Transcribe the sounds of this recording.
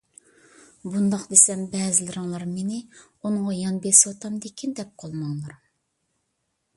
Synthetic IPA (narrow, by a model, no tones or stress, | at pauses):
bund̪ɑqd̪esɛmbɛːzɪlɪɾɨŋlˠɑɾmenɪ | unŋɑjɑnbeswɑt̪ʰɑmd̪ekʲʰind̪ɛp̚qʰɑlˠmɑŋlˠɑɾ